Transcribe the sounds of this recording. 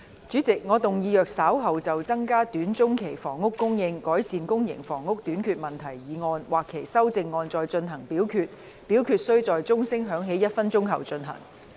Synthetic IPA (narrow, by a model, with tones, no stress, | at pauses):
t͡syː˨˥t͡sɪ˨k̚ŋɔː˨˧t̪ʊ˨ŋjiː˨˧jœː˨k̚saː˨˥wɦɐ˨wt͡sɐ˨wt͡sɐ˥ŋkaː˥t̪yː˨˥nt͡sʊ˥ŋkʰe˨˩jfɔː˨˩ŋʊ˥kːʊ˥ŋjɪ˧ŋkɔː˨˥jsiː˨nkʊ˥ŋjɪ̰˨˩ŋfɔː˨˩ŋːʊ˥k̚t̪yː˨˥nkʰyː˧t̚mɐ˨nt̪ʰɐ˨˩jjiː˨ŋɔː˧nwaː˨kʰːe˨˩jsɐ˥wt͡sɪ˧ŋːɔː˧nt͡sɔː˨jt͡ʃɵ˧nɦɐ˨˩ŋpiː˨˥wkʰyː˧t̚ | piː˨˥wkʰyː˨˧t̚sɵ˥ɥt͡sɔː˨jt͡sʊ˥ŋsɪ˥ŋɦœː˨˥ŋɦe˨˥jɐ˥t̚fɐ˥nt͡sʊ˥ŋɦɐ˨wt͡ʃɵ˧nɦɐ̰˨˩ŋ